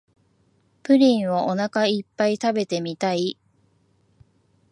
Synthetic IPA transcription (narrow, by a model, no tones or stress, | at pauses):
pɯ̟ɾʲĩɰ̃βoʔo̞nakaipːait̪abe̞t̪e̞mʲit̪ai